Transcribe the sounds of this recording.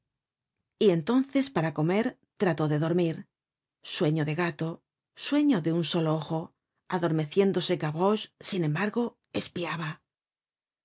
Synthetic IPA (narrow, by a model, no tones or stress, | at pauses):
ie̞nt̪o̞nθe̞spaɾako̞me̞ɾ | t̪ɾat̪o̞ðe̞ðo̞ɾmiɾ | swe̞ɲoðe̞ɣat̪o̞ | swe̞ɲo̞ðeunso̞looxo̞ | aðo̞ɾme̞θje̞nd̪o̞sekaβoʃsinẽ̞mbaɾɣo̞ | e̞spiaβa